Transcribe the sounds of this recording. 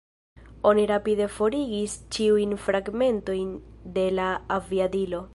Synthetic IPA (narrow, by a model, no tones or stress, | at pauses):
o̞niɾapide̞fo̞ɾiɡist͡ʃiujnfɾaɡme̞nto̞jnde̞laaviadilo̞